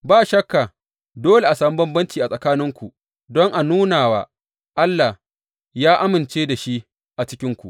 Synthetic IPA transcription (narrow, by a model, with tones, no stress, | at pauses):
baː˦˨ʃɐ˦kːa˨ | doː˦le˨ʔa˨saː˨mu˦bɐ˦mbɐ˦nt͡ʃiː˨ʔa˨sʼɐ˨kaː˦nɪ˦ŋkʷu˨ | dɔ˦ŋʔa˨nuː˦naː˨waː˦ | ʔa˦lːa˨ | jaː˦ʔa˦mɪ˨nt͡ʃeː˦da˨ʃi˦ | ʔa˨t͡ʃɪ˦kʲɪ˦ŋkʷṵ˨ʔ